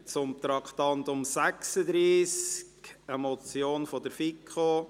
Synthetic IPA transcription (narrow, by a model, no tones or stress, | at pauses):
t͡sʊmt̪ɾɑkʰt̪ɑnt̪ʊmsæksəd̪ɾiːskɛmot͡sjoːnfɔd̪əɾfikʰo